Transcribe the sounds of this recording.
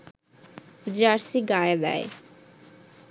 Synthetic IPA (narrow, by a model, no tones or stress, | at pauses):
d͡ʑaɾsiɡajd̪ɛ̰j